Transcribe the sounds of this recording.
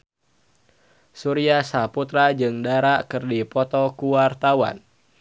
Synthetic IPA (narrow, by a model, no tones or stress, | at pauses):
suɾiasaput̪ɾad͡ʒɨŋdaɾaʔkɨrdipɔt̪ɔkuwart̪awa̰n